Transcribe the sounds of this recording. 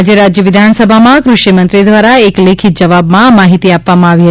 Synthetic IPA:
d͡ʒeɾad͡ʒjəʋɪd̪ʱansəbʱamãkɾuʃimənt̪ɾid̪ʋaɾaeklekʰit̪̚d͡ʒəʋabmãmaɦit̪iapʋamãaʋiɦə

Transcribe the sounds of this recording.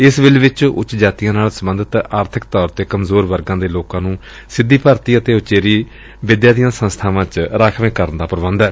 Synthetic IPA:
ɪsʋɪlʋɪt͡ʃʊ̰t͡ʃd͡ʒaːt̪ijãːnaːlsəbə̃nd̪ət̪aːɾt̪ʰɪkt̪ɔːɾt̪eːkəmzoːɾʋəɾɡãːd̪eːloːkãːnũː | sɪd̪ːiːpəɾt̪iːət̪eːʊt͡ʃeːɾiː | ʋɪd̪jaːd̪ijãːsə̃nst̪ʰaːʋãːt͡ʃɾaːkʰʋẽːkəɾənd̪aːpəɾʋə̃nd̪ɛː

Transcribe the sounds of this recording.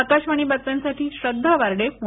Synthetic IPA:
ək̪aɕmaɳ̃iːbət͡s̪ːansaʈʰiːɕɾəd̪ʱːaʋaɾɽepu

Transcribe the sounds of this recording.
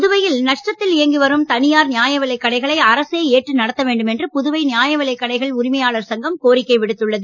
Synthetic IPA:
pðʊʋɐjɪlnɐʂʈrɐt̪ːɪlɪjɐŋɡɯʋɐɾɯmt̪ɐnɪjaːɾnɪjaːjɐʋɐlɐɪkːɐɽɐɪɣɐɭɐɪɐɾɐseːeːʈrɯnɐɽɐt̪ːɐʋeːɳɖɯmɛndrɯpʊðʊʋɐɪnɪjaːjɐʋɐlɐɪkːɐɽɐɪɣɐɭʊɾɪmɐjaːɭɐɾsɐŋɡɐmkoːɾɪkːɐɪʋɪɽɯt̪ːɯɭːɐðɯ

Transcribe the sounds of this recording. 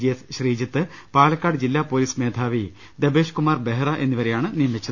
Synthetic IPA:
d͡ʑijɐsɕriːd͡ʑɐt̪ːɨpaːlɐkːaːɽɨd͡ʑilːaːpoːliːsmeːd̪ʱaːʋi | d̪ebe̞ːɕkumaːrbeɦɐrɐʔe̞nːiʋɐɾejaːɳɨnijɐmit͡ɕːɐɨ

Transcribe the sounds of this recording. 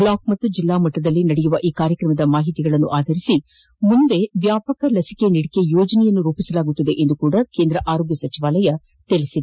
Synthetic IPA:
blaːkmɐt̪ːud͡ʒilːaːmɐʈːɐd̪ɐlːinɐɽɛjuʋɐʔiːkaːɾjɐkɾɐmɐd̪ɐmaːɦit̪iɡɐɭɐnːuʔaːd̪ʱɐɾisi | mund̪e̞ʋjaːpɐkɐlɐsi̥keniɽike̞joːd͡ʒɐnɛjɐnːuɾuːpisɐlaːɡut̪ːɐd̪eʔend̪ukuːɽɐke̞ːnd̪ɾɐʔaːɾoːɡjɐsɐt͡ʃiʋaːlɐjɐ | t̪elisid̪

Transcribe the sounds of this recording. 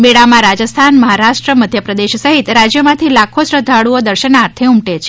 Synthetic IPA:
meɽamãɾad͡ʒəst̪ʰanməɦaɾaʃʈɾəməd̪ʱjəpɾəd̪eʃsəɦit̪ɾad͡ʒjəmãt̪ʰilakʰosɾəd̪ʱaɽuod̪əɾʃənaɾt̪ʰeumʈet͡ʃʰe

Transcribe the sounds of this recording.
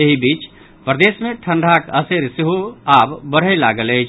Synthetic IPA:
eɦibit͡ʃ | pɾəd̪esmẽʈʰə̃ɳɖʱakəseɾsiɦoabbəɽ̤əjlaɡələt͡ʃʰ

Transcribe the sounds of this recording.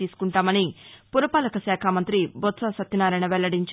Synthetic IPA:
iːsu̥kuɳʈaːmɐnipuɾɐpaːlɐkɐsɛːkʰaːmɐnt̪ɾibot̪saːsɐt̪ːinaːɾɐjnɐʋɛɭːɐɽiɲt͡ʃ

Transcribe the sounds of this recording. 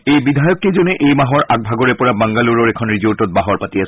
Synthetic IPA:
ejbidʱajɔkːezɔnɛʔejmaɦɔɹʔaɡ̚bʱaɡɔɹɛpɔɹabaŋɡaluɹɔɹɛkʰɔnɹizotɔt̚baɦɔɹpatijas

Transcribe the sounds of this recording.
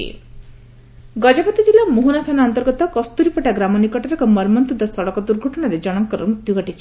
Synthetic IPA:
ḭ | ɡɔd͡ʒapɔt̪id͡ʒilamuɦunat̪ʰanaɔnt̪ɔɾɡɔt̪ɔkɔst̪uɾipɔʈaɡɾamɔnikɔʈaɾɔkɔmɔɾmɔnt̪ɔd̪ɔsɔɽɔkɔd̪uɾɡʱɔʈɔɽ̃aɾed͡ʒɔɽ̃ɔŋkɔɾɔ̰mud̪juɡɔʈit͡ʃʰi

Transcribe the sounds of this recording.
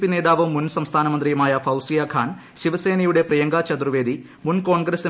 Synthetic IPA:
pːine̞ːd̪aːʋɐmːunsɐmst̪ʰaːnɐmɐnd̪rijɐmaːjɐfʰɐwsijaːkʰaːn | ɕiʋɐse̞ːnɐjuɽe̞prɐjɐŋɡaːt͡ɕɐd̪ruʋe̞ːd̪i | munko̞ːɳɡɾesi

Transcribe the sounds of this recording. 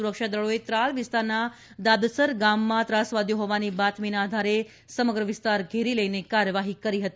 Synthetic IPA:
uɾəkʃad̪əɭoet̪ɾalʋɪst̪aɾna | d̪ad̪səɾɡamːãt̪ɾasʋad̪ʱjoɦɔʋanibat̪minaːd̪ʱaɾe | səməɡɾəʋɪst̪aɾɡʱeɾiləjnekaɾəʋaɦikəɾiɦət̪i

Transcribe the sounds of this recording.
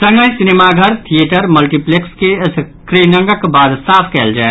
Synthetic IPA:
sɐ̃ŋɡəjsɪnemaɡʱɐɾt̪ʰieʈəɾmɐlʈiplekskes | kɾiːnə̃ŋɡəkbaːd̪saːfʰkɛːld͡ʒaːe

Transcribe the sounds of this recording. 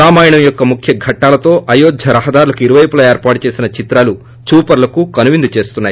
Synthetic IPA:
aːmaːjɐɳɐmjɔkːɐmukʰjɐɡʱɐʈːaːlɐt̪o̞ːʔɐjoːd̪ʱjɐɾɐɦɐd̪aːɾulɐkuiɾuʋɐjɐpulɐeːɾpaːʈut͡ʃe̞ːsinɐt͡ʃit̪ɾaːlu | t͡ʃuːpɐɾlɐkukɐnuʋind̪ut͡ʃe̞ːst̪unːaːji

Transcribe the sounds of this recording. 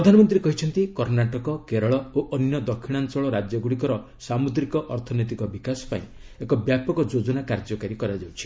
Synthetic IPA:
ɾɔd̪ʱanɔmɔnt̪ɾiekɔɦit͡ʃʰɔnt̪ikɔɾnaʈɔkɔkeɾɔɭɔoʔɔnjɔd̪ɔkʰːiɽ̃ansɔɭɔɾad͡ʒjɔɡuɽikɔɾɔ | samud̪ɾikɔʔɔɾt̪ʰɔnojt̪̬ikɔbikasɔ̥pa̰ĩ | ekɔbjapɔkɔd͡ʒod͡ʒɔnakaɾd͡ʒɔkaɾikɔɾad͡ʒawt͡ʃʰi̥

